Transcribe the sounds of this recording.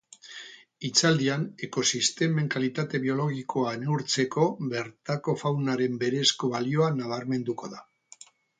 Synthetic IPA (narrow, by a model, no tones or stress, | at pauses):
it͡sald̪iane̞ko̞sist̪e̞me̞ŋkalit̪at̪e̞βio̞lo̞ɣikʰo̞aeneuɾt͡se̞ko̞βe̞ɾt̪ako̞fawnaɾe̞mbe̞ɾe̞sko̞βalio̞anaβ̞aɾme̞nd̪uko̞ða